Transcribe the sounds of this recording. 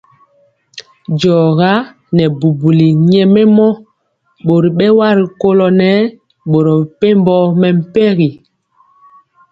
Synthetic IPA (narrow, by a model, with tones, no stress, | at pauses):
d͡ʒɔ˨ɣa˦ | nɛ˨bu˨bu˨li˨ɲɛ˨mɛ˦mɔ˦ | ɓo˨ɾi˨ɓɛ˦wa˦ɾi˨ko˦lɔ˨nɛ˦ | ɓo˨ɾɔ˨pe˦mbɔ˦mɛ˨m̩˦˨pɛ˦ɣi˨